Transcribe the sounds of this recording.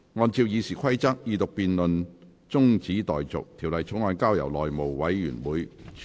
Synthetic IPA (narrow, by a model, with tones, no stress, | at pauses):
ŋɔː˧nt͡siː˧wjiː˨˧siː˨˩kʷʰɐ˥jt͡sɐ˥k̚jiː˧t̪ʊ˨k̚piː˨nlɵ˨n | t͡sʊ˥ŋt͡siː˨˥t̪ɔː˨jt͡sʊ̰˨k̚t̪ʰiː˨˩wlɐ˨jt͡sʰʊ˨˥ŋɔː˨˧nkaː˥wjɐ̰˨˩wlɔː˨jmo˨˩wwɐ˨˥jːy̰ː˨˩nwuː˨˥j